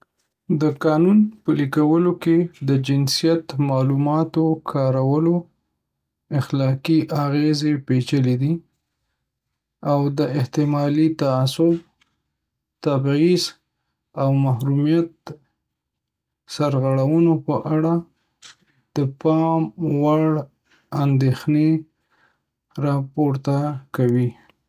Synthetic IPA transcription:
d̪əkɑnunpəlikawəloked̪əd͡ʒɪnsijat̪mɑlumɑt̪okʰɑɾawəlo | ɪxlɑkiʔaɣezepet͡ʃəled̪i | awd̪əɪht̪ɪmɑlit̪aːsʊb̚ | t̪abiz | awmahɾumijat̪̚ | saɾɣaɽawənopəʔaɽa | d̪̥əpɑmwaɽ | and̪exne | ɾɑpoɾt̪akawi

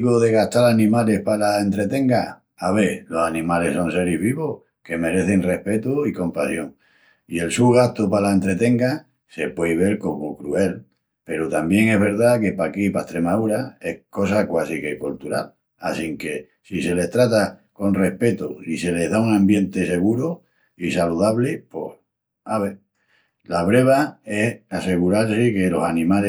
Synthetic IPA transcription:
ɣoðe̞ɣ̞aht̪aɾanĩmale̞hpalaẽ̞nt̪ɾe̞t̪e̞ŋɡa | aβelo̞sanĩmale̞so̞nse̞ɾiβiβoh | ke̞me̞ɾe̞θe̞ŋre̞hpe̞t̪uiko̞mpasjo̞ŋ | ie̞lsuɣ̞aht̪opalaent̪ɾe̞t̪e̞ŋɡa | se̞pwe̞jβe̞lko̞mokɾue̞l | pe̞ɾot̪ambje̞ŋe̞ɦβe̞ɾðake̞pakipat̪ɾe̞mauɾae̞hko̞s̬akwasikekolt̪uɾa̰l | asiŋke̞ | sise̞le̞ht̪ɾat̪ako̞nre̞hpe̞t̪oise̞le̞ɦðauŋãmbje̞nt̪e̞se̞ɣ̞uɾo | isaluðaβlepo̞h | aβe | laβɾe̞β̞ae̞hase̞ɣuɾaɾsike̞lo̞sanĩmale

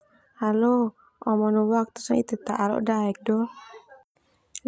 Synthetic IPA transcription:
halo | ɔmɔnuwak̚t̪u̥sɔit̪ut̪aʔalɔ̰ʔdaɛk̚dɔ

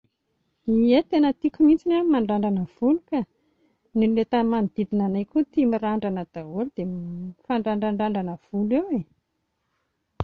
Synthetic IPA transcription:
iet̪enət̪ikʲumint͡sinamaɳɖ͡ʐaɳɖ͡ʐanəv̥ulukə | nilulet̪əmamid̪̥id̪inanajkʲut̪imiɾaɳɖ͡ʐanəd̪̥aold̪̥emfaɳɖ͡ʐaɳɖ͡ʐaɳɖ͡ʐaɳɖ͡ʐanəv̥ulewe

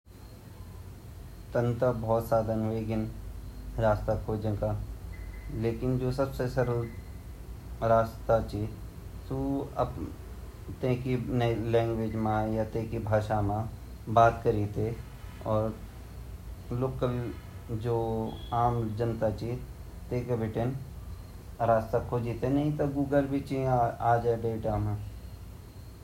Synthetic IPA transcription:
t̪ə̃nt̪abʱɔːt̪saːd̪ʱəneːɡɪn | ɾaːst̪akʰoːd͡ʒə̃ŋka | leːkɪnd͡ʒoːsɐbsesɐɾə | ɾaːst̪at͡ʃi | suɐ̰b | t̪ẽːkinlɛ̃ːŋɡʋeːd͡ʒmãjat̪ẽːkibʱaːʃamã | baːt̪kəɾiːt̪e | ɔːɾ | loːkəl | d͡ʒoːaːmd͡ʒənt̪at͡ʃi | t̪ẽːkebʱɪʈen | ɾaːst̪akʰoːd͡ʒit̪enɐɦĩt̪oɡuːɡəlbʱit͡ʃiaːd͡ʒɛɖeːʈaːmã

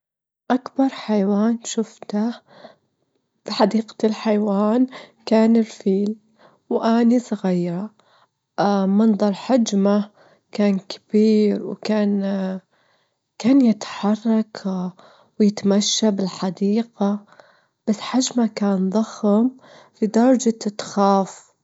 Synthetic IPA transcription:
ʔakbɑɾˤħajawaːnʃʊft̪a | b̥ɪħad̪iːqḁɪlħajwaːnkaːnɪlfiːl | wʔanisˤɑɣijɾˤɑ | mɑnðˤɑɾˤħad͡ʒma | kaːnkʰḁb̥iːɾwkaːn | kaːnjɪt̪ħɑrˤːɑk | wjɪt̪maʃːabɪlħad̪iːqa | b̥asːħad͡ʒmakaːnðˤɑxm | fid̪ɑɾˤd͡ʒat̪ɪt̪xaːf

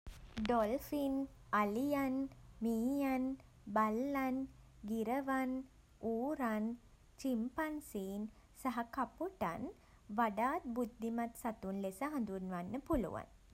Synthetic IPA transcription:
ɖɔlfinalijanmiːjan | balːan | ɡiɾəʋan | uːɾan | t͡ʃimpansiːn | saɦakapuʈa̰n | ʋaɖaːt̪̚bud̪ːimat̪sat̪unlesəɦãnd̪unʋanːəpulṵʋa̰n

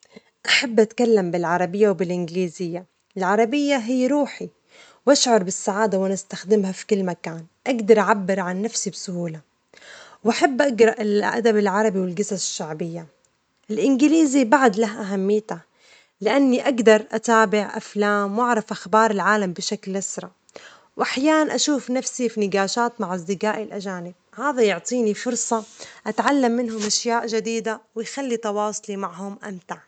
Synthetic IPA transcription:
ʔaħabːʔat̪kalːambɪlʕɑɾˤɑbɪjːawbɪlʔɪnɡɪliːzɪjːa | ɪlʕɑɾˤɑbɪjːaɦɪjːɾuːħi | wʔaʃʕʊɾˤbɪsːaʕaːd̪awɪnɪst̪axd̪ɪmhafi̥kʊlːmakaːnʔaɡd̪ɑɾˤʔaʕabːɪɾʕanːafsibsʊhuːla | wʔaħabːʔaɡɾˤɑʔɪlʔa̰d̪abɪlʕɑɾˤɑbiwɪlɡasaɪʃːaʕbɪjːa | ʔɪlʔɪnɡɪliːzibaʕad̪laɦʔaɦamːɪjːt̪a | lɪʔanːiʔaɡd̪ɑɾˤʔat̪aːbɪʕʔa̰flaːmwʔaʕɾˤɪfʔaxbɑːɾˤɪlʕaːlambɪʃaklːasɾˤɑ | wʔaħjaːnanʔaʃuːfnafsifinɪɡaːʃaːt̪maʕʔɑzˤd̪ɪqaːʔɪlʔad͡ʒaːnɪb̚haːðajʊʕt̪ˤiːnifʊɾsˤɑʔat̪ʕalːamːɪnɦʊmʔaʃjaːʔʒad̪iːd̪awɪjxalːit̪ɑwɑːsˤlimaʕhʊmʔamt̪aʕ

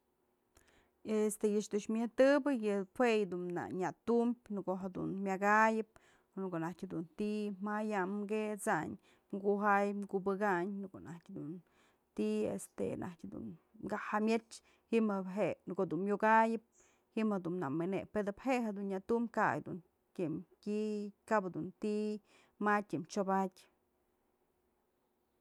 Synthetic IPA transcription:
est̪ejɨʂd̪ɨʃmʲɨt̪ɨbɨjɨpʰwejd̪unna̰ɲat̪umbʲnɨkoɦed̪ṵnmʲaɡajɨp̚ | nukoʔnahtʲhed̪unt̪immajamɡet͡saɲ | mɡuɦajmɡubɨkaɲnkonatʲhd̪un | t̪iḛst̪ḛnʔa̰tʲhd̪ṵnɡahamʲet͡ʃ | himɦekod̪unjoɡajɨp̚ | himhed̪unːameneped̪ɨpheʔɦed̪unɲjat̪umka̰jd̪un | tʲimtʲikabhed̪unt̪i | matʲimt͡ʃobatʲ

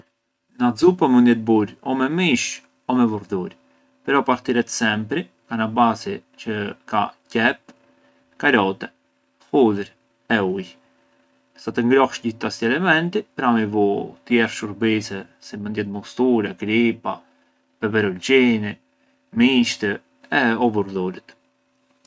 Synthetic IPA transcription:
nazupamənd̪jɛt̪̚buɾɔmɛmiʃ | ɔmɛvuɾðuɾ | pɾɔpaɾt̪iɾɛt̪sɛmpɾi | kanabasit͡ʃəka̰cɛp̚ | kaɾɔt̪ɛ | fulɾ | ɛuj | sat̪əŋɡɾɔhʃɟiθt̪asiɛlɛmɛnt̪ipɾamivut̪jɛɾʃuɾbisɛ | simənd̪jɛt̪̚mɔst̪uɾɛɡɾipa | pɛbɛɾɔld͡ʒini | miʃt̪ə | ɛɔvuɾðuɾit̪

